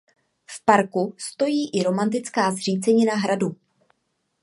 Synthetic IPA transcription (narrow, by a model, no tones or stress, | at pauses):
fpaɾkust̪o̞jiːʔɪɾo̞mant̪̬ɪt͡skaːzr̝iːt͡sɛɲɪnaɦɾadu